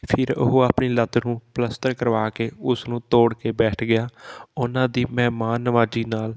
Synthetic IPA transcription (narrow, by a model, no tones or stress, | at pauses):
pʰɪɾʊ̰ɦoːaːpniːlət̪nũːpləst̪əɾkəɾʋaːkeːʊsnũːt̪oːɽkeːbɛːʈʰɡɪjaːʊnãːd̪iːmɛːmaːnːəʋaːd͡ʒiːnaːl